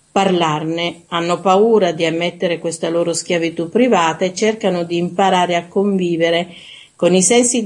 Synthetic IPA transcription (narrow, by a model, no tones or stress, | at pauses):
parlarneanːopauːɾad̪iamːet̪ːeɾekwest̪aloːɾosk̟javit̪upːɾivaːt̪aet͡ʃːerkanod̪iːmpaɾaːɾeakːoɱviːveɾe | konisɛnsi